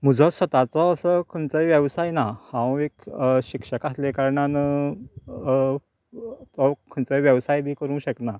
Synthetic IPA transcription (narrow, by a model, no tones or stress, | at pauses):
m̤əd͡zʱɔsʋət̪at͡sɔəsəkʰənt͡səjʋjəʋsajnahãwekɕikʂəkaslekaɾɳanə | t̪ɔkʰənt͡səʋjəʋsajbʱiːkəɾũːɕəkna